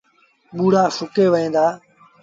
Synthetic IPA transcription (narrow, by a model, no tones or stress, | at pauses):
ɓuːɽaːsʊkeːʋəɦẽːnd̪aː